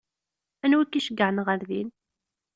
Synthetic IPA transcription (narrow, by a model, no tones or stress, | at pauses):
ænwikːiʃəɡːəʕnʁəɾðin